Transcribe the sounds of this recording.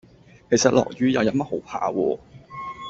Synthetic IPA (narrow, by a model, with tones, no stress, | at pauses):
kʰe˨˩jsɐ˨t̚lɔ̰ː˨˩k̚jyː˨˧jɐ˨˧wjɐ˨˥n̚mɐ˥t̚ho˨˥wpʰa̰ː˧wɔː˧